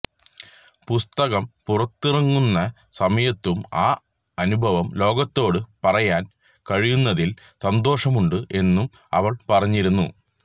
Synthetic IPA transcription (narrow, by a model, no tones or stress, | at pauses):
pust̪ɐɣɐmpurɐt̪ːirɐŋːunːɐ | sɐmɐjɐt̪ːumaː | ɐnubʱɐʋɐmlo̞ːɡɐt̪ːo̞ːɽɨpɐrɐjaːn | kɐɻijunːɐðil | sɐnd̪o̞ːʂɐmuɳɖɨʔe̞nːum | ɐ̰ʋɐɭpɐrɐɲːiɾunːṵ